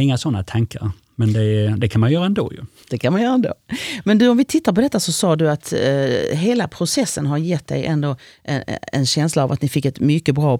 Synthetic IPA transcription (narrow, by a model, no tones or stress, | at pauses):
ɪŋːasɔnːat̪ʰaŋkʰaɾ | mɛnd̪ɛd̪ɛkʰanmanjœːɾaɛnd̪o̰ːjɵ̰ | d̪̥ɛkʰanmanjœːɾaɛnd̪o̰ːmɛnd̪ɵɔmvɪt̪ʰɪt̪ːaɾp̬ʰɔd̪ɛt̪ːasɔsɑːd̪ɵat̪ | ɦeːlapʰɾʊsɛsːənɦaɾjɛt̪d̪ɛ̰jʔɛnd̪oːʔɛ̰ɛ̰nɕɛnslaːvat̪nɪfɪkːɛt̪mʏkːəbɾɑː